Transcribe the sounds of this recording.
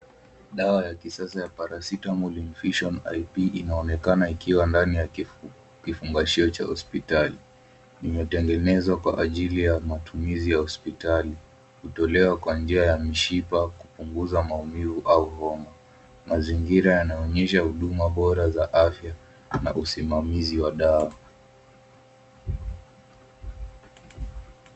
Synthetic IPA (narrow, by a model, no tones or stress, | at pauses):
ɗawajakisasajapaɾasitamɔlim̩fiʃɔna̰jpiinaɔnɛkanaikiwandanija | kifuŋɡaʃiɔt͡ʃa̰hɔ̰spitali | nimɛtɛŋɡɛnɛzwakwa̰ʔaʄilijamatumizijahɔspitali | hutɔlɛwakwand͡ʒiajamiʃipakupuŋɡuzamaumivuʔauhɔma | maziŋɡiɾajanaɔɲɛʃahuɗumaɓɔɾazaʔafja | na̰ʔusimamiziwaɗawa